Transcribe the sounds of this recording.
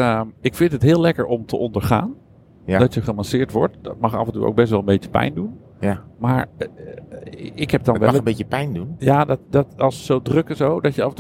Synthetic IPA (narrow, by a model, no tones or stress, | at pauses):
ɪkfɪntɦətɦɪːlɛkəɹɔmtʰəʔɔndəɹχa̰ːn | d̥ɔtjəχəmansɪːɹtʋɔ̰ɹt̚dɔt̚mɑχa̰fəntṵɹʔo̰wɡ̚bɛstʋɛlˠəmbetə̥pɛ̰jndun | maːɹ | ɪkhɛp̚dɔnʋɛlbeəpɛjndunjadtdɔtɑlˠsːowdrøkɛsowdɔtjəafənt